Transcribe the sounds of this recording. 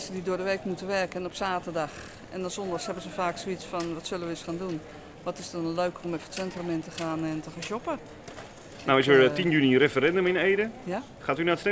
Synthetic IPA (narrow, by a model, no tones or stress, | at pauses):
sədidʊːədəʋeːkmutəʋɛrkənɔpsaːtərdɑx | ɛ̰nɔsɔndɔxshɛbənsəfaːksoʋit͡sfɔnʋɔtsølˠəʋəəsxaːndun | ʋɔtɪsdɔnløːkɔmɛfə̥tsɛntromɪntəxaːnɛntəxanʃopə | nawɪsʋəɹtinjynirefəɾɛndəmɪneːdəj | χaːtynatstɛ